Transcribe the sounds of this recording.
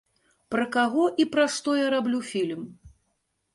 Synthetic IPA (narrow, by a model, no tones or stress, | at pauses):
pɾɐkaɣɔʔipɾɐʂt̪ɔjaɾablʲufʲilʲm